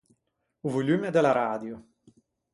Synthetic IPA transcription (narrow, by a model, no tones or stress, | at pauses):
uvolʲymed̪elaɾaːd̪jo